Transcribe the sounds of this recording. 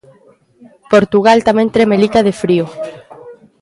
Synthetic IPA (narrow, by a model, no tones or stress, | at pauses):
poɾt̪uɣ̞alt̪amẽnt̪ɾemelik̪að̞efɾio